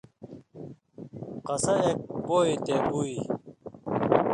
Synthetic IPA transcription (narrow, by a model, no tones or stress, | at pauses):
qɐsɐek̚boːit̪ebui